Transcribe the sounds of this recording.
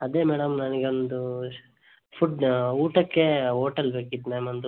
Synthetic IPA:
ɐd̪eːmɛːɽɐmnɐniɡeond̪u | pʰuɖuːʈɐkːeɦoːʈɐlbeːkid̪naːmond̪u

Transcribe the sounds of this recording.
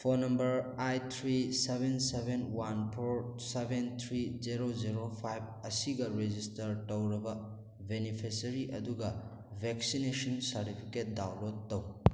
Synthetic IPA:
pʰonɐmbɐɾajt̪ʰɾisebʱensebenwanpʰoɾsebent̪ʰɾizeɾoziɾopʰajb̚ | ɐsiɡɐɾed͡ʒistɐɾtɐwɾɐbɐ | benipʰesɐɾiʔɐduɡɐ | bʱek̚sinesɔnsɐɾtipʰi̥ket̚dawlod̚ːɐw

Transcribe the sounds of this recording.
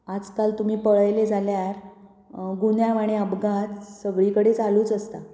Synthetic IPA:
ad͡zkalt̪um̤iːpəɭəjled͡zʱaljaɾ | ɡunjaʋaɽ̃eəbɡat͡ssəʋɭikəɽet͡saluːt͡səst̪a̰

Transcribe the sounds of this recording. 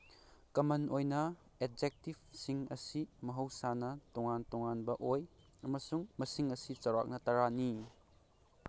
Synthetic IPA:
kɐmɐnʔojnɐ | eb̚d͡ʒek̚tib̚siŋɐsimɐɦɐwsanɐtuŋantuŋanbɐʔoj | ɐmɐsuŋmɐsiŋɐsit͡ʃɐwɾa̰k̚nɐtɐɾani

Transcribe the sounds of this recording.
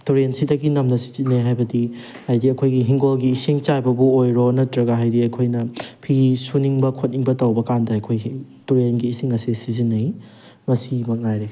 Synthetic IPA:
tuɾensidɐɡinɐmnɐsi̥zinːejɦajbɐdi | hajdiɐkʰojɡiɦiŋɡolɡiːsiŋt͡ʃajbɐbuojɾonɐtɾɐɡaɦajdiɐkʰojnɐpʰisuniŋbɐkʰot̚niŋbɐtɐwbɐkandɐɐkʰojtuɾenɡiːsiŋɐsisizinːɐj | mɐsimɐk̚najɾe

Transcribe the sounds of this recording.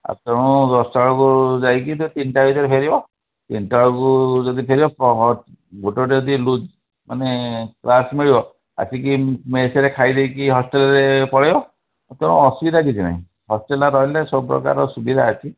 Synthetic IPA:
a̰t̪eɽ̃ũd̪ɔstaɭɔkuzajkit̪ut̪inʈabʱit̪ɔɾepʰeɾibɔ | t̪inʈaɭkuzɔd̪ipʰeɾibɔpɔ | bʱoʈɔʈeɔd̪ilud͡ʒ | maneklasmiɭibɔ | a̰sʰikimeseɾekʰajd̪ejkiɦɔsʈelaɾepɔɽajɔ | t̪eɽ̃ṵ̃ɔsubid̪ʱaɡit͡ʃʰina̰ɦḭ̃ | hɔsʈelaɾɔɦjlesɔbpɾɔ̰ka̰ɾɔsubid̪ʱaːt͡ʃʰi

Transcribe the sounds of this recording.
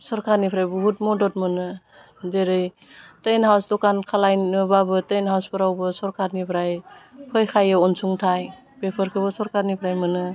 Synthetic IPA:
sɔɾkʰaɾnipʰɾajbɔɦut̚mɔdɔt̚mɯnɯ | zeɾɯj | tejnɦawsdɔkankʰalajnɯbabɯtejnɦawspɯɾawbɯsɔɾkʰaɾnipʰɾajpʰɔjkʰajɯɔnsuŋtʰaj | pepʰɯɾkʰɯβɯsɔɾkʰaɾnipʰɾajmɯnɯ

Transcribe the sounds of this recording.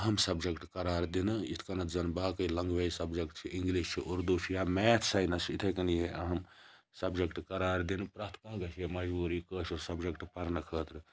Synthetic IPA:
ɐɦɐmsɐbd͡ʒɐkʈkɐɾaːɾd̪inɨit̪ʰkɐnɐt̪zɐnbaːkɐilɐŋɡʋejsɐbd͡ʒɐkʈt͡ʃʰiʔiŋɡliʃt͡ʃʰiʔuɾd̪ut͡ʃʰijamɛːt̪ʰsɐjnɐsit̪ʰekɐnjeʔɐɦɐm | sɐbd͡ʒɐkʈkɐɾaːɾd̪inɨpɾɐt̪ʰkãːɡɐt͡ʃʰemɐd͡ʒbuːɾikəːʃoɾsɐbd͡ʒekʈpɐɾnɐkʰəːt̪ɾɨ

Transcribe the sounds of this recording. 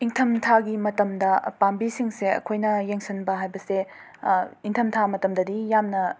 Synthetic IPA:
iŋtʰɐmtʰaɡimɐtɐmdɐpambisiŋseɐ̰kʰojnɐjeŋsɐnbɐɦajbɐse | iŋtʰɐmtʰamɐtɐmdɐdijamnɐ

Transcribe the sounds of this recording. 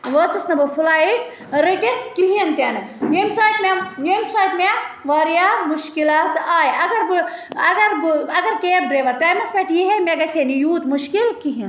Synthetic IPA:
ʋət͡sɨsnɐbɨpʰulaːiʈ | ɾəʈekiɦiɐnt̪ʲjaːnɨnemsaːjt̪mʲenemsaːjt̪maʋaɾijamuʃkilaːt̪aːjɐɡɐɾbɐɡɐɾɐɡɐɾkeːʈ̚bɾeːʋɐɾpaːjmɐsmeʈjiɦemeɡɐsenijuːt̪muʃkilkiɦin

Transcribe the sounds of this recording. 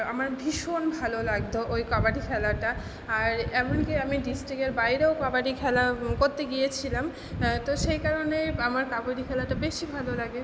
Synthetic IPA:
a̰maɾbʱiʃonbʱalolaɡd̪oʔojkɔbaʈikʰɛlaʈa | aɾɛmonkiamiɖisʈɾikeɾbajɾeokɔbaʈikʰɛlakoɾt̪eɡijet͡ɕʰilam | t̪oʃejkaɾonejamaɾkabodikʰɛlaʈabeʃibʱalolaɡe

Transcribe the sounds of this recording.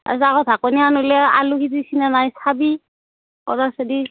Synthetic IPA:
a̰saɡɔtakɔnianolɛa̰lukitisinanajsabi | ɔ̰ɾasadi

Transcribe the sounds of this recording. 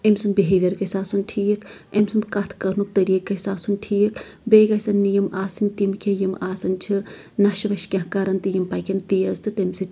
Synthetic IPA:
emsunbiɦeʋʲɐɾkɐsaːsunʈʰiːjɐkʰ | emsund̪kɐt̪ʰkɐɾnuk̚t̪ɐɾiːkːɐsaːsunʈʰiːɐkʰ | beːɡɐsɐnːijɐmʔaːsɨnʲt̪imkʰejimaːsɐnt͡ʃʰi | nɐʃʋɐʃkʲɐhkaɾɐnt̪ijimpɐkʲɐnt̪ijɐzt̪ɨt̪emsi

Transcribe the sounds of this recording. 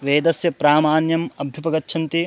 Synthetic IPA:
ʋeːd̪ɐsjɐpɾaːmaːnjɐmɐbʱjupɐɡɐtːʃʰɐnt̪i

